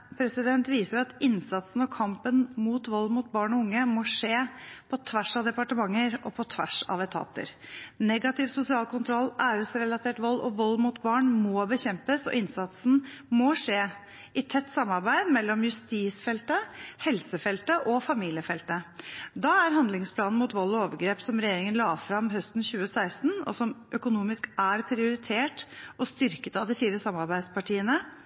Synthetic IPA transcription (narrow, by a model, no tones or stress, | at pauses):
pʰɾɛsɪd̪ɛnt̪ʋiːsəɾɑt̪ɪnsɑt̪sn̩ɔkʰɑmpənmuːt̪ʋɔlːmʊt̪̚bɑːɳɔʊŋːəmɔʂeːpʰɔt̪ʰʋæʂɑʋd̪ɛpɑʈəmɑŋːəɾʔɔpʰɔt̪ʰʋæ̰ʂɑ̰ʋɛt̪ʰɑ̰ːt̪ə̰ɾnɛɡɑt̪ɪʋsʊsɪɑːlkʰʊnt̪ʰɾɔlːʔæːʉsɾɛlɑt̪ʰeːʈʋɔlːʔɔ̰ʋɔlːmut̪bɑːɳmɔbəçɛmpəsɔ̰ɪnsɑt̪sn̩mɔʂeː | ɪt̪ʰɛt̪ːsɑmːɑɾbæɪd̪mɛlːɔmjʉst̪iːsfɛlt̪əhɛlsəfɛlt̪əʔɔfɑmiːlɪəfɛlt̪əd̪ɑːæɾɦɑnd̪lɪŋspʰlɑːnn̩mʊːt̪ʋɔlːɔoːʋəɾɡɾeːpsɔmɾɛjeːɾɪŋənlɑːfɾɑmɦœst̪n̩çʉːəsæɪst̪n̩ɔ̰sɔmʔœkʊnuːmɪskæɾpʰɾɪʊɾɪt̪ʰeːʈɔst̪ʏɾkət̪ɑʋd̪ɪfiːɾəsɑmːɑɾbæɪd̪spɑʈʰiːənə